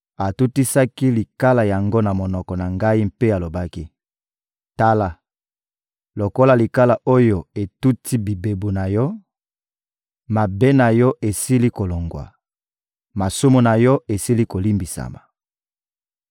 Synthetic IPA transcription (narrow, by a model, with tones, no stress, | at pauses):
a˨tu˦ti˦sa˦ki˦li˨ka˦la˨ja˨ŋɡo˦na˨mo˨nɔ˨kɔ˨na˨ŋɡa˦i˦m̩pe˦a˨lo˨ba˦ki˦ | ta˦la˨ | lo˨ko˦la˨li˨ka˦la˨o˦jo˨e˨tu˦tʰi˦bi˨be˨bu˨na˨jɔ˦ | ma˨be˦na˨jɔ˦ʔe˨si˦li˦ko˨lo˨ŋɡwa̰˨ | ma˨su˦mu˨na˨jɔ˦e˨si˦li˦ko˨li˦mbi˨sa̰˨ma̰˨